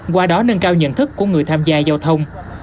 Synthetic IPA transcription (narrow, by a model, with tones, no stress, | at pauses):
kwaː˧ɗɔ˨˦nə˧nkaː˧wɲə̰˧˨nt̪ʰɨ˦˥kːu˧˩əŋɨ˨˩əjt̪ʰaː˧mzaː˧zaː˧wt̪ʰə˧wŋ͡m